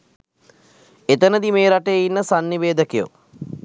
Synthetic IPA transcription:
et̪ənəd̪imeːɾaʈejeinːəsanːiʋeːd̪əkejo̰

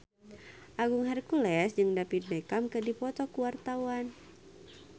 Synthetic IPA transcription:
ʔaɡuŋɦarkulɛsd͡ʒɨŋdapit̪̚bekamkədipɔt̪ɔkuwart̪awan

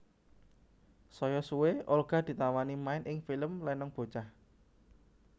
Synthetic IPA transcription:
sɔjɔsuweolɡ̥a̤d̪̥i̤t̪awanimaɪnʔɪŋfiləmlɛnɔŋb̥o̤t͡ʃah

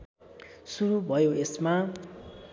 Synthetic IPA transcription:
suɾubʱʌjoesma

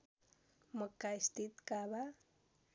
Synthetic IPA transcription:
məkːajst̪it̪kaβa

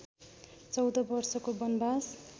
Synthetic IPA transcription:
t͡sʌwd̪ʌbʌrsʌkobʌnbas

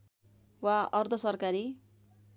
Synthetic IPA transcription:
waʌrd̪ʱʌsʌrkaɾi

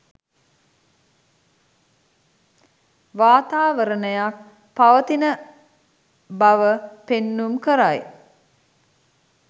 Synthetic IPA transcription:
ʋaːt̪aːʋəɾənəjak | paʋət̪inə | baʋəpenːumkəɾaj

